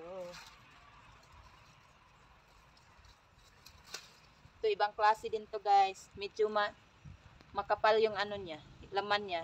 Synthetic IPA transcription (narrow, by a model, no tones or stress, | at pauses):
t̪uibaŋklasidint̪uɡajsmit͡ʃuma | makapaljuŋanunɲaləmanɲa